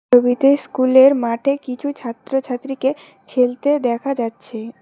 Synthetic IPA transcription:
obit̪eskuleɾmaʈʰekit͡ɕʰut͡ɕʰat̪ːɾot͡ɕʰat̪ːɾike | kʰelt̪ed̪ɛkʰad͡ʑatːɕʰe

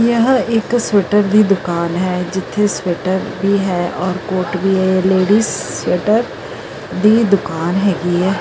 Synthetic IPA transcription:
jɐɦɪksweːʈəɾd̪ʱid̪ʊkaːnɦɛːd͡ʒɪt̪ʰːesweːʈəɾbʱiɦɛːʔɔːɾkoːɾʈbʱiɦɛleːɖiːsweːʈəɾ | d̪ʱiːd̪ʊkaːnɦɛːɡiɦɛː

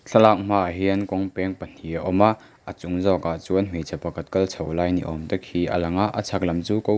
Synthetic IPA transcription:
ɬʰɐlak̚m̥aɦiənkɔŋpɛŋpən̥iaʔɔmaʔ | ʔət͡sʊŋzɔkat͡suənm̥it͡sʰɐpɐkʰɐt̪̚kɐlt͡sʰɐwlajnḭʔɔ̰mt̪ɐk̚ʰiʔɐ̰lɐŋaʔət͡sʰak̚lɐmt͡suːkow

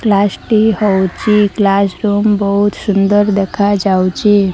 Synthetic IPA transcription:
klasʈihowt͡ʃiklasɾumbəɦut̪sund̪əɾd̪ekʰad͡ʒawt͡ʃi

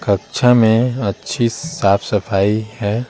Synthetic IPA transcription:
kəkt͡ʃʰamẽɐtːʃʰisaːpʰsɐfʰaːihɛː

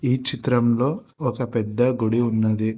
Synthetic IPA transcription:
iːt͡ʃit̪ɾɐmlo̞ːɔkɐpɛd̪ːɐɡuɽiunːɐd̪i

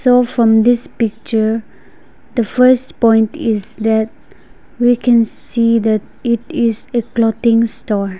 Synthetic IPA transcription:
sofɹɔ̃md̪ispik̚t͡ʃə | d̪əfəspɔ̃j̃ntʰisd̪ɛt̚ | wikʰɛ̃nsid̪ɛt̚ | itɪseklɔtĩŋstɔɹ

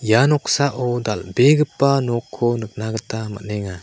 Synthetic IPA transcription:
janɔk̚saʔɔd̪albeɡɯpːanɔkʰːɔnɯk̚naɡətama̰nɛŋa

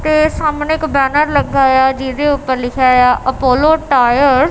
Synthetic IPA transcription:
t̪esaːmneɪkbɛːnəɾlɐɡaːjaːd͡ʒiːd̪eʊpːəɾlɪkʰjajaːʔɐpoːloːʈaːjəɾ

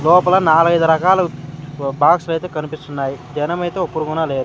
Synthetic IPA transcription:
lɔːpɐlɐnaːluɡɐjd̪uɾɐkaːlɐ | baːkslɐjt̪eːkɐnipist̪unːaːjid͡ʒɐnɐmɐjt̪e̞ːopːuɾukunaːleːd̪u

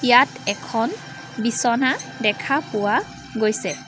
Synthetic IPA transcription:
ijatɛkʰɔn | bisɔnadɛkʰapʊwa | ɡojsɛ

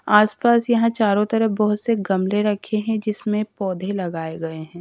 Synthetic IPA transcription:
aːspaːsjɐɦãt͡ʃaːɾõt̪ɐɾəɦbɔɦʊt̪seɡɐmleɾɐkʰeɦɛ̃d͡ʒɪsmẽpɔːd̪ʱelɐɡaːeɡɐeɦɛ̃ː

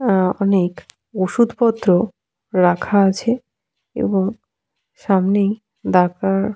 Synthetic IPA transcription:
ɔnek | oʃud̪ʱpɔt̪ːɾo | ɾakʰaat͡ɕʰe | ḛboŋ | ʃamnej | d̪akaɾ

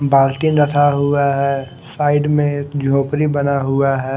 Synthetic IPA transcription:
baːlʈinɾɐt̪ʰaɦʊaɦɛ | saːɪɖmẽd͡ʒʱoːpɾibɐnaɦʊaɦɛː

